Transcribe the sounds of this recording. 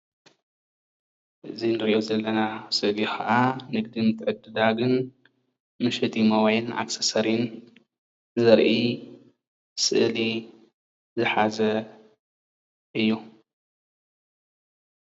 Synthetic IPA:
ʔɨzinɨɾʔozɐlːɐnasɨʔlixɐʔanɨɡ̚d̪imɨt̪ʰʕɨd̪ɨd̪aɡɨn | mɨʃɐt̪ʰimɐwajɪnʔa̰ksɐsɐɾin | ɨzɐɾʔi | sɨ̰ʔli | zɨħazɐ | ʔɨjːu

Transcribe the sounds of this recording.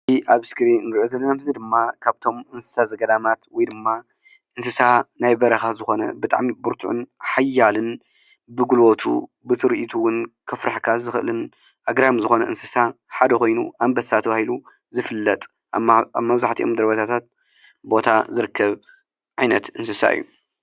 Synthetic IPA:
iʔaβɨskɨɾinɨŋɡɨʕuzɐlːɐnamzɨnɨd̪ɨmːakʰaβt̪ʰo̞mʔɨnsɨ̥sazɐɡɐd̪amat̪wɔjd̪ɨmːa | ʔɨnsɨsanajbɐɾɐxazɨxo̞nɐ̰bɨt̪ʼa̰ʕmibɨɾt̪ʰṵʕʊ̰nħajːalɨn | bɨɡulwot̪ʰṵ | bɨt̪ʰɨɾɨʔit̪ʰuwʊnkʰɐfɾaħkʰazɨxʔɨ̰lɨn | ʔaɡɾamzɨxo̞nɐʔɨnsɨsaħad̪ɐko̞jnṵʔambɐsat̪ʰɐβahilu | zɨfɨlːɐt̪ʼ | βmɐβzaħt̪ʰiʔomd̪ɐɾβɐt̪ʰat̪ʰat̪̚ | bo̞t̪ʰazɨɾɨkːɐβ | ʕajnɐt̪ɨnsɨsa̰ʔɨ̰jːu

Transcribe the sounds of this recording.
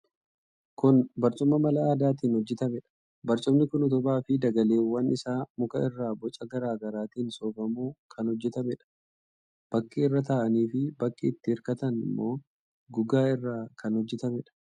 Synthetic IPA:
kʊnbɐɾt͡ʃʼʊmːɐmɐlɐaːd̪aːt̪̬iːnhɔd͡ʒːɛt̪ɐmɛᶑɐ̥ | bɐɾt͡ʃʼʊmnɪkʊnɔt̪ʊbaːfɪd̪ɐɡɐleːwːɐnʔɪsaːmʊkɐɪrːaːbɔt͡ʃʼɐɡɐɾaːɡɐɾaːt̪iːnsoːɡɐmuːkʰɐnhɔd͡ʒːɛt̪ɐmɛᶑɐ̥ | b̥ɐkːiɪrːɐt̪̬ɐaʔɐniːfɪbɐkʼːiːt̪ːɪɪɾkɐt̪ɐnɪ̰mːo̞ː | ɡʊɡaːɪrːaːkʰɐnhɔd͡ʒːɛt̪ɐmɛᶑɐ̥

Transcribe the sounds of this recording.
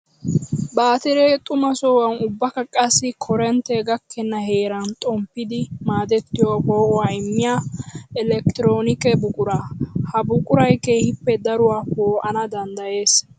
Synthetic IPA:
baːt̪ɪɾet̪ʼʊmɐsoːwɐnʊbːɐkɐkʼɐsːɪkʰɔɾɛnt̪ɛɡɐkʰːɛnːɐhe̞ːɾɐnt̪ʼɔmpːɪd̪ɪmaːd̪ɛt̪ːɪjobo̞ːʔʊwaːɪmːɪjaːɛlɛkt̪ɪɾoːnɪkɛbʊkʼʊɾaːhɐbʊkʼʊɾɐjkeːhɪpːɛd̪ɐɾʊwaːpoːʔɐnɐd̪ɐnd̪ɐje̞ːs

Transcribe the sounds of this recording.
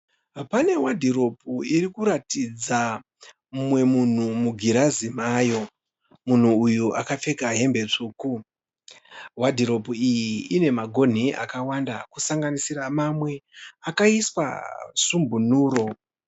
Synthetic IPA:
pane̞wadʱiɾo̞puiɾikuɾatid͡za | mumwe̞mun̤umuɡʱiɾazimaːjo̞ | mun̤uːjuʔakafe̞kaɦe̞mbe̞t͡ʂuːku | wadʱiɾo̞puijiːne̞maɡʱo̞n̤iʔa̰kawanda̰kusaŋɡanisiɾamamwe̞akaiswa̰sumbʱunuːɾo̞

